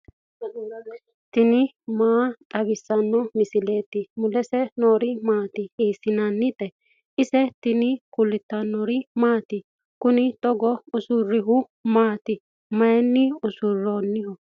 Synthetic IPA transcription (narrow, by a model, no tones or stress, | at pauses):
t̪ɪnɪ | maːt̪ʼɐbɪsːɐnːɔmɪsɪle̞ːt̪ːɪmʊlɛsɛnoːɾɪmaːt̪ɪiːsɪnanːɪt̪ʼɛ | ɪsɛt̪ɪnɪkʊlːɪt̪ːɐnːɔɾɪmaːt̪ɪ | kʊnɪt̪ʼɔɡɔʊsʊrːɪɦʊ | maːt̪ɪ | mɐjɛnːɪʊsʊrːoːnːɪhɔ